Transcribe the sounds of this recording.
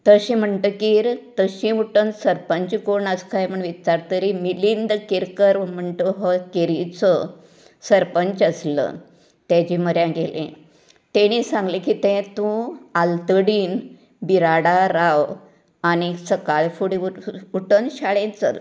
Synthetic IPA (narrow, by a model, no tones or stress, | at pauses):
t̪əɕĩm̤əɳʈ̪əkiːɾt̪əɕĩuʈənsəɾpəɲt͡ɕikoɳəskʰajməɳʋit̪ːaɾt̪əɾimilind̪keɾkəɾm̤əɳʈ̪əɦɔkeɾit͡sə | səɾpəɲt͡ɕəslə̰ | t̪ãd͡ʑiːməɾjãɡelʔḛ̃ | t̪eñiːsãŋɡlekiːt̪ɛ̃t̪ũalt̪əɽiːn | biɾaɽaɾaw | aɽ̃isəkaɭfuɽiuʈənɕaɭẽt͡sə̰